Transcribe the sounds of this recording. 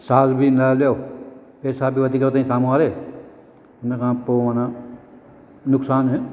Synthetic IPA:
saːzbʱinaljoː | peːsaːbʱiːʋət̪iːkət̪aĩsaːmoaːɾeː | ʊnakãːpoːʋaːnãː | nʊksaːne

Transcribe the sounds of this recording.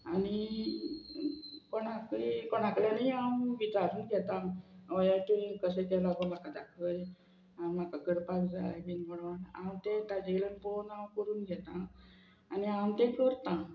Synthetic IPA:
ani | koɽ̃ãkikoɽ̃ãkljanaiawʋit͡saɾuːnɡʱɛt̪ãʋəjaʈ̪ukəsət̪alaɡəm̤akad̪akʰəj | anm̤akakəɽpakd͡za̰jbinməɽɳãwt̪ẽt̪ad͡ʑelənbonãwkəɾuːnɡʱɛt̪ãː | niawt̪ẽkəɾt̪ã

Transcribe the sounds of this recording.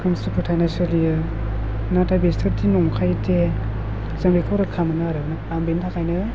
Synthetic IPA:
kʰɯmsupʰɯtʰajnasɯlijɯ | natabestʰɯɾtinɔŋkʰajtʰe | zaŋbekʰawɾakʰamɯnɯaɾɯna | ambentʰakʰajnɯ

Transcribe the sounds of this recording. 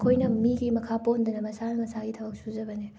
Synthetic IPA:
kʰojnɐmiɡimɐkʰapound̪ɐnɐmɐsanɐmɐsaɡitʰɐbɐk̚suzɐbɐne

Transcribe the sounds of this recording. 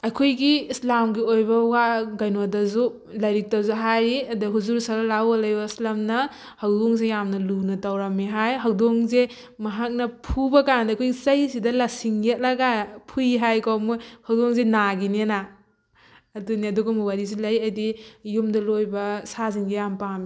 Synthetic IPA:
ɐkʰojɡiislamɡiojbɐwaɡajnodɐzu | lɐjɾik̚tazuɦajɾiɐdɐɦuzuɾsalɐlawalɐjɐislamnɐ | hɐwdoŋsejamnɐlunɐtawɾamiɦajɦawdoŋze | mɐɦak̚nɐpʰubɐkandɐkʰojɡisɐjsidɐlɐsiŋet̚laɡapʰujɦajkawmojhawdoŋzenaɡinena | duniɐduɡumuwaɾiz̬ilɐjɐdijumdɐlojbɐsaziŋɡijampami

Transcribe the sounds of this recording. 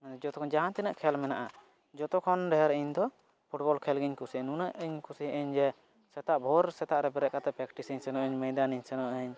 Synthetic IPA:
d͡ʒɔt̪ɔkʰɔnd͡ʒaɦãnt̪ɛnəʔkʰɛlmɛnaʔa | d͡ʒɔt̪ɔkʰɔnɾɛɦɛɾɛiɲd̪ɔ | pʰuʈbɔlkʰɛlɡiɲkusinunəʔəɲkusiʔəɲd͡ʒɛ | sɛt̪aʔbʱɔɾsɛt̪aʔɾɛbɛɾɛʔkat̪ɛpɾɛkʈisɛɲsɛnɔʔəɲmɛjd̪aniɲsɛnɔʔəɲ

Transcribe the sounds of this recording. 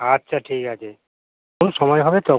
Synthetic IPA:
atːɕʰaʈʰikat͡ɕʰe | konʃɔmɔjɦɔbet̪ɔ

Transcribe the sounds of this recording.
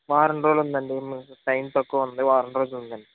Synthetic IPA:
ʋaːɾɐɳɾoːlund̪ɐɳɖimisɐjnt̪okːɐʋɐnd̪ɨʋaːɾɐɳɾoːllund̪ɐɳɖi

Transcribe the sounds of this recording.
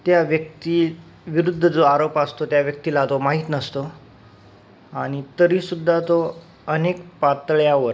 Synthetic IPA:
t̪jaʋjək̚t̪i | ʋiɾud̪ʱːəd͡zoaɾopast̪ot̪jaʋjək̚t̪ilat̪omaɦit̪nəst̪o | aɽ̃it̪əɾiːsud̪ʱːat̪o | ənekpat̪ɭjaʋəɾ

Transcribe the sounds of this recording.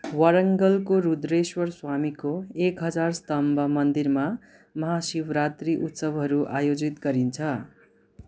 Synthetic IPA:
wʌɾʌŋɡʌlkoɾud̪ɾeswʌrswamikoekɦʌd͡zarst̪ʌmbʱʌmʌnd̪irma | mʌɦasibɾat̪riʔut̪sʌbɦʌɾuʔajod͡zit̪ɡʌɾint͡sʰʌ

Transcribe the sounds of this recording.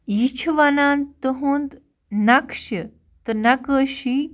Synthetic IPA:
jit͡ɕʰuʋanant̪əɦũːnd̪ | nakʂə | t̪ənakəɕi

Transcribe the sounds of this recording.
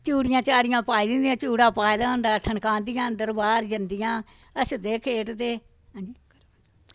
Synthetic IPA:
t͡ʃuːɽɪjãːt͡ʃaːɾɪjãːpaːiːd̪ɪnd̪ijãːt͡ʃuːɽãːpaːed̪aːõːnd̪aːʈʰəɳkãːnd̪ɪjãːd̪əɾbaːɾd͡ʒənd̪ɪjãː | əsd̪eːkʰeːʈd̪eː | ãːd͡ʒi

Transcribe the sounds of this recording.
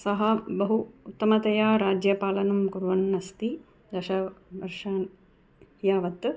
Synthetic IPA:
sɐɦɐbɐɦuːt̪ːɐmɐt̪ɐjaːɾaːd͡ʒjɐpaːlɐnɐmkuɾʋɐnːɐst̪i | d̪ɐʃɐʋɐɾʂaːn | jaːʋɐt̪

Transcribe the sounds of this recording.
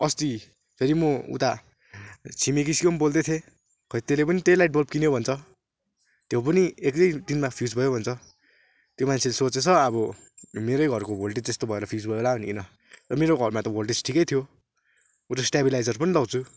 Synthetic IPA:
ʌst̪i | pʰeɾimʌṵt̪a | t͡sʰimekiskonbold̪et̪ʰe | kʰʌit̪elepʌnit̪elajʈ̚bʌlp̚kinjobʱʌnt͡sʰʌ | t̪jewpʌniek̚d͡zʌjd̪inmapʰjud͡zbʱʌjobʱʌnt͡sʰʌ | t̪jomant͡sʰelesot͡set͡sʰʌʌbʌmeɾʌjɡʱʌrkobʱolʈ̬et͡sd͡zest̪obʱʌeɾʌpʰijud͡zbʱʌeolabʱʌniinʌ | rʌmeɾoɡʱʌrmat̪ʌbʱolʈ̬et͡sʈʰikʌjt̪ʰijo | ut̪asʈabilajd͡zʌrpʌnilʌwt͡sʰu

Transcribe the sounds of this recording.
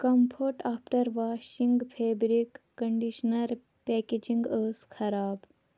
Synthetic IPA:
kɐmpʰoːʈaːpʰʈɐɾʋaːʃiŋɡpʰeːbɾikːɐɳɖiʃnɐɾ | pɛːked͡ʒiŋɡəːskʰɐɾaːb

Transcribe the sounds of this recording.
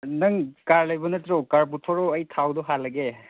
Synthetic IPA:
nɯŋkaɹlajbɔnɯtɾɔkaɹp̬utʰɔɹɔəjtʰawdɔɦalaɡe

